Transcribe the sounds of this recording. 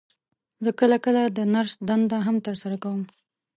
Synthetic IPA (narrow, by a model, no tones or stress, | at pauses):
zəkəlakəlad̪ənaɾsd̪and̪aɦamt̪əɾsaɾakawəm